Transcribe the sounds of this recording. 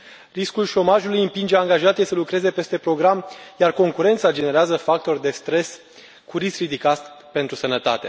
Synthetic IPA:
riskulʃo̞maʒulujɨmpind͡ʒeaŋɡaʒat̪jesəlukɾe̞ze̞pe̞st̪e̞pɾo̞ɡɾamjarko̞ŋkuɾe̞nt̪sad͡ʒe̞ne̞ɾeazəfak̚t̪o̞rd̪e̞st̪ɾe̞s | kuɾiskɾid̪ikat̪pe̞nt̪ɾusənət̪at̪e̞

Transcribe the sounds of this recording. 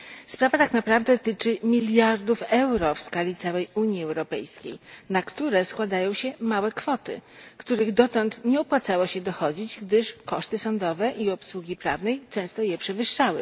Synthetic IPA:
spɾavat̪aknapɾavd̪ɛt̪ɘt͡ʂɘmʲilʲjaɾd̪ufɛwɾɔfskalʲit̪sawɛjuɲiɛwɾɔpɛ̰jskʲḛjnakt̪uɾɛskwad̪ajɔ̃w̃ɕɛmawɛkfɔt̪ɘ̰kt̪uɾɘɣd̪ɔt̪ɔnt̪ɲɛɔpwat̪sawɔɕɛd̪ɔxɔd͡ʑid͡ʑɡd̪ɘʂkɔʂt̪ɘsɔnd̪ɔvɛʔiɔpswuɡʲipɾa̰vnɛjt͡ʂɛ̃w̃st̪ɔjɛpʂɛvɘʂːawɘ̰

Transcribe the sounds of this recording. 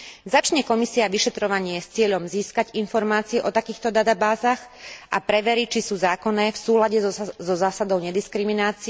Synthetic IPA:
zat͡ʃɲɛkɔmisiaʋiʃɛt̪ɾɔʋaɲɪɛst͡sɪɛʎɔmziːskaɟinfɔɾmaːt͡siɛʔɔt̪akiːxt̪ɔd̪at̪abaːzaɣʔapɾɛʋɛɾit͡ʃisuːzaːkɔnɛːfsuːlaɟɛzɔzaːsad̪ɔʊɲɛd̪iskɾiminaːt͡si

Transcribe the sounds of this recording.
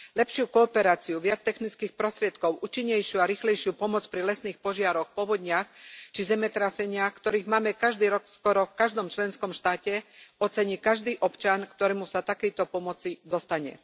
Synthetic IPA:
lɛpʃɪukɔːpɛɾaːt͡siuʋɪat͡st̪ɛxnit͡skiːxpɾɔst̪ɾɪɛt̪kɔʊʔuːt͡ʃiɲːɛjʃɪuaɾiːxlɛjʃɪupɔmɔt͡spɾilɛsniːxpɔʒɪaɾɔxpɔʋɔd̪ɲɪaxt͡ʃizɛmɛt̪ɾasɛɲɪaxkt̪ɔɾiːɣmaːmɛkaʒd̪iːɾɔkskɔɾɔfkaʒd̪ɔmt͡ʃlɛnskɔmʃt̪aːcɛɔt͡sɛɲiːkaʒd̪iːʔɔpt͡ʃankt̪ɔɾɛːmusat̪akɛjt̪ɔpɔmɔt͡sid̪ɔst̪aɲɛ̰

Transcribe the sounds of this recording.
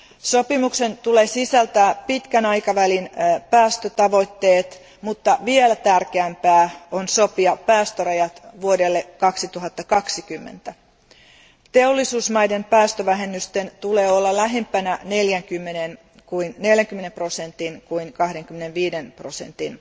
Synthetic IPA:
sopimuksent̪uleːsisælt̪æpit̪kænɑikɑʋælinpæːst̪øt̪ɑʋo̞it̪ːeːt̪ | mut̪ːɑʋielæt̪ærkeæmpæːonsopiɑpæːst̪ørɑjɑt̪ʋuodelːekɑksit̪uɦɑt̪ːɑkɑksikymːḛnt̪æ | t̪eolːisuːsmɑjdempæːst̪øʋæɦe̞mːyst̪ent̪uleːolːɑlæɦempænæne̞ljæŋkymːenen | kuinneljæŋkymenemprosent̪inkuiŋkɑhdeŋkymːenenʋiːdenprosḛnt̪in

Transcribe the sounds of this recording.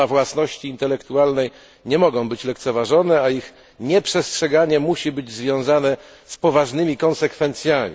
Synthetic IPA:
avwasnɔɕt͡ɕiːnt̪ɛlɛkt̪ualnɛj | ɲɛmɔɡɔ̃w̃bɘt͡ɕlɛkt̪sɛvaʐɔnɛaix | ɲɛpʂɛstʂɛɡaɲɛmuɕibɘd͡ʑzvʲjɔ̃w̃zanɛ | spɔvaʐnɘmʲikɔ̃nsɛkfɛnt̪sʲjamʲḭ

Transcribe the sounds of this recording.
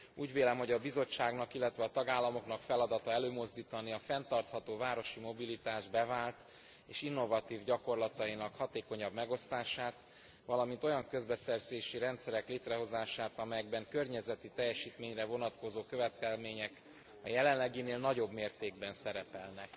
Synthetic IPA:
uːɟveːlɛmho̞ɟɒbizo̞t͡ʃːaːɡnɒkilːɛt̪ʋɛɒt̪ɒɡaːlːɒmo̞knɒkfɛlɒd̪ɒt̪ɒɛløːmo̞zd̪iːt̪ɒniɒfɛnt̪ɒrt̪hɒt̪oːvaːɾo̞ʃimo̞bilit̪aːʒbɛvaːlt̪ | eːʃinːo̞vɒt̪iːvɟɒko̞rlɒt̪ɒinɒkhɒt̪eːko̞ɲɒbmɛɡo̞st̪aːʃaːt̪ | ʋɒlɒmint̪o̞jɒŋkø̞zbɛsɛrzeːʃiɾɛnt̪sɛɾɛkleːt̪rɛɦo̞zaːʃaːt̪ɒmɛjɛɡbɛŋkø̞rɲɛzɛt̪it̪ɛjːɛʃiːt̪meːɲrɛvo̞nɒt̪ko̞zoːkøvɛt̪kɛlmeːɲɛk | ɒ̰jɛlɛnlːɛɡineːlnɒɟo̞bmeːrt̪eːɡbɛnsɛɾɛpɛlnɛk

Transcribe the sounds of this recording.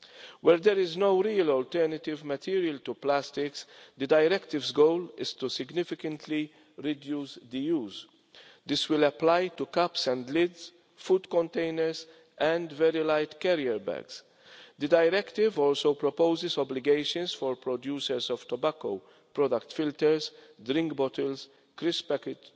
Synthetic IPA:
wɛɾd̪ɛɾɪznowɾiːəlɔlt̪ɛɾnɐt̪ɪvmɐt̪ʰiːɾiəlt̪uplæst̪ɪksd̪əd̪ajɾɛkt̪ɪvzɡoʊlɪz̥t̪usɪɡnɪfɪkə̃nt̪ʰli | ɾɪd̪juːsd̪əjuːz | d̪ɪswɪlɐplajt̪ukɐpsɛ̃nd̪lɪds | fud̪kɔ̃nt̪eɪnəɾz | ɛ̃nd̪vɛɾilaɪt̪kɛɾiɛɾbæ̰ɡs | d̪ədajɾɛkt̪ɪvɔːlsoʊpɾɔpoʊzɪzɔblɪɡeɪʃə̃nsfɔɾpɾɔd̪juːsəɾsɔv̥t̪ɔbakoʊ | pɾɔd̪ɐkt̪fɪlt̪əɾzd̪ɾɪ̃ŋkbɔtəls | kɾɪspɛkɪt

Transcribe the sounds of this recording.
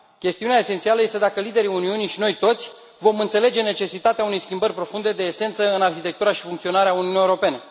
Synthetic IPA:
kʲe̞st̪iuneaese̞nt̪sialəje̞st̪e̞d̪akəlid̪e̞ɾiuniunijʃino̞jt̪o̞t̪sʲ | vo̞mɨnt̪se̞le̞d͡ʒe̞ne̞t͡ʃe̞sit̪at̪eaune̞jskʲimbərʲpɾo̞fund̪e̞d̪e̞ːse̞nt̪səɨnarçit̪e̞k̚t̪uɾaʃi̥fuŋkt̪sio̞naɾeauniunijewɾo̞pe̞ne̞

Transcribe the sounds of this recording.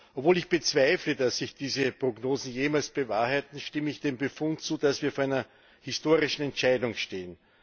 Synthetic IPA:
ʔoɔpv̥oːlɪçb̥ət͡sv̥aɪfləd̥asːɪçd̥iːzəpʁ̥oɡnoːzn̩jeːmalsb̥əvaːɐɦaɪtn̩ʃtɪməɪçd̥eːmbəfʊntt͡suːd̥asv̥iːɐfoɐæɪnɐ | hɪstoːʁɪʃn̩ɛntt͡ʃaɪdʊŋʃteːən

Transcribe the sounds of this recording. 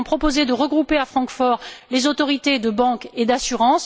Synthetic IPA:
pχɔpozed̪əʁəɡʁupeafχɑ̃kfɔʁlezot̪ɔʁit̪ed̪əbɑ̃ked̪asyʁɑ̃s

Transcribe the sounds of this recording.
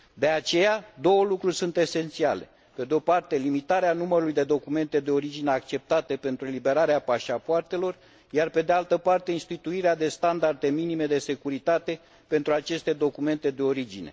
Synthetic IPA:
d̪e̞at͡ʃe̞jad̪o̞wəlukɾurʲsunt̪e̞se̞nt̪siale̞̰ | pe̞d̪eo̞part̪e̞limit̪aɾeanuməɾulujd̪e̞d̪o̞kume̞nt̪e̞d̪e̞o̞ɾid͡ʒineakt͡ʃe̞p̚t̪at̪e̞pe̞nt̪ɾue̞libe̞ɾaɾeapaʃapoart̪e̞lo̞r | jarpe̞d̪ealt̪əpart̪e̞inst̪it̪uiɾead̪e̞st̪and̪ard̪e̞minime̞d̪e̞se̞kuɾit̪at̪e̞ | pe̞nt̪ɾuat͡ʃe̞st̪e̞d̪o̞kume̞nt̪e̞d̪e̞o̞ɾid͡ʒine̞̰

